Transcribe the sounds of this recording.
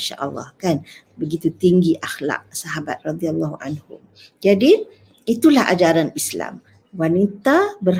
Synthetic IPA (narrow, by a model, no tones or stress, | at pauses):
ʃa̰ʔəlːɑ̰hkan | bəɡit̪ut̪iŋɡiʔaxla̰ʔsaɦaba̰t̪̚rɑd̪ialːɑhʔa̰nhʊ̰m | d͡ʒadi | it̪ulaha̰d͡ʒaɾanisla̰m | wanit̪abər